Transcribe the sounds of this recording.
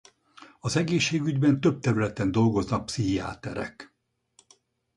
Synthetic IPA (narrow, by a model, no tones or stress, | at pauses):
ɒzɛɡeːʃːeːɡyɟbɛnt̪ø̞b̚t̪ɛɾylɛt̪ɛnd̪o̞lɡo̞znɒk̚psiɦia̰ːt̪ɛɾɛ̰k